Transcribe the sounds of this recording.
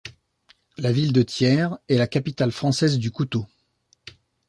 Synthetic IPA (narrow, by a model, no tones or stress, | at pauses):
lavild̪ət̪jɛʁɛlakapit̪alfχɑ̃sɛzd̪ykut̪o